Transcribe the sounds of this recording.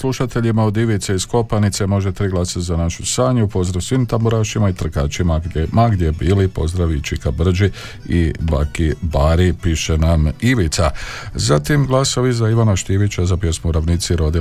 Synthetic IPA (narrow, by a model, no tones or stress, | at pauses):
slˠuʃat̪e̞ʎimao̞d̪iʋit̪seisko̞panit̪se̞mo̞ʒe̞t̪ɾiɡlasazanaʃusaːɲuupo̞zd̪ɾasʋimt̪ambuɾaːʃimait̪r̩kaːt͡ʃimaɡmaɡd̪jebiːlipo̞̰zd̪ɾaʋit͡ʃikabr̩d͡ʒi | ḭba̰kibaɾipiʃenamiʋit̪sazat̪imɡlaso̞ʋizaiʋanaʃt̪iʋit͡ʃazapje̞smuɾaʋniːt̪siɾo̞d̪i